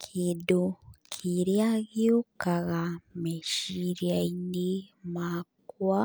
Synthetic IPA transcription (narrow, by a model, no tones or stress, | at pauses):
kʰidukʰiɾiaɣiukaɣameʃiɾjainimakwa